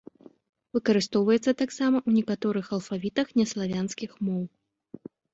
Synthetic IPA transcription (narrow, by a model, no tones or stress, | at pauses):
vɨkɐɾɨst̪ɔwvɐjɛt̪sːɐt̪aksamɐʔunʲɛkat̪ɔɾɨxɐlˠfavʲit̪ɐxnʲɛslˠavʲanskʲixmɔw